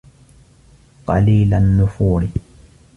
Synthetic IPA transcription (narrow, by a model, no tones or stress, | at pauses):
qɑ̰liːlanːʊfuːɾɪ